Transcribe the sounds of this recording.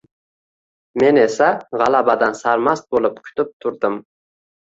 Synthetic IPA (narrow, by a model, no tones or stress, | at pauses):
me̞ne̞saʁɑlˠabad̪ansaɾmast̪̚bolˠɪp̚kʲʰʊ̥t̪ɪp̚t̪ʰʊɾd̪ɪm